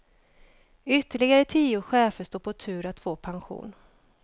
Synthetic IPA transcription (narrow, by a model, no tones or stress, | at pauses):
ʏt̪ːəɭɪɡaɾət̪ʰiːʊɧɛːfəʂt̪uːpʰɔt̪ʰʉ̟ːɾat̪foːpʰanɧṵːn